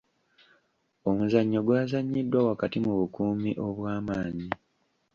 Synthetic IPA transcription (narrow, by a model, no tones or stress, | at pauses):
o̞muzaɲːo̞ɡwaːzaɲːidːwawakatimuβukuːmiʔo̞βwaːmaːɲi